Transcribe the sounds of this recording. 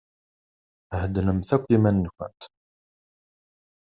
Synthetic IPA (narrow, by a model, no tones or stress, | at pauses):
həd̪nəmθækʷːimænːkʷʊ̰nt̪